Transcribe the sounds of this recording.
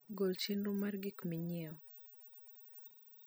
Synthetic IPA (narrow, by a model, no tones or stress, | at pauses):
ɡolt͡ʃinɾumarɡikmiɲɪɔ